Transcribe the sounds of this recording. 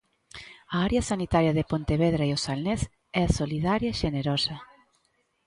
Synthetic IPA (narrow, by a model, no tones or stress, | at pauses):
aaɾjɐsanit̪aɾjɐðepont̪eβeðɾaeosalnes | ɛasoliðaɾjɐʃeneɾɔsɐ